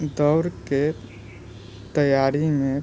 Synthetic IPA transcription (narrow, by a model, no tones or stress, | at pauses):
d̪ɔʊɾke | t̪əjaɾimẽ